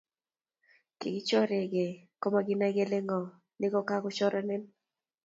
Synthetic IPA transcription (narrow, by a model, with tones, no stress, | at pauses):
kɪ̰˨ɡɪ˦t͡ʃɔ˦ɾe˨ɡe˨kɔ˦ma˦ɡɪ˦na˦ɡe˦le˦ŋɔ˨ | nɪ˦kɔ˦ka˦ɡʊ˦t͡ʃɔ˦ɾa˦nɛ˦n